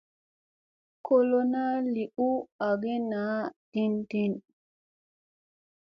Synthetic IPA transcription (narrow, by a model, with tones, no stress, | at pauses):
ko˦lo˦na˦li˨ʔu˦a˨ɡe˦naː˨˦ti˦nti˦n